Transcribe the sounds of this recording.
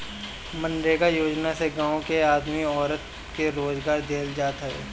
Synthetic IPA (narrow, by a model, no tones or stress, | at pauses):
mə̃nɾeːɡajoːd͡ʒnaseɡãːõkeaːd̪miɔːɾət̪̚ | keɾoːzɡaːɾd̪ʱeːld͡ʒaːt̪aɦɛː